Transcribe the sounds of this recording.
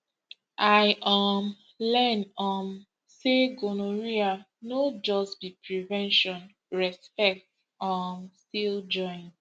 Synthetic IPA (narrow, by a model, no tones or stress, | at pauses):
ajʔɔm | lɛnɔm | seɡonoɹia | nod͡ʒɔstbipɹivɛ̃nʃɔ̃n | ɹɛspɛk̚t | ɔmstild͡ʒɔ̃ɪ̃n